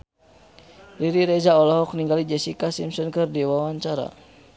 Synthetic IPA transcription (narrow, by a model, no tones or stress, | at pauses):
diɾiɾɛd͡ʒaɔlɔɦɔk̚niŋɡalid͡ʒɛsikasimsɔnkɨrdiwawaɲt͡ʃaɾa̰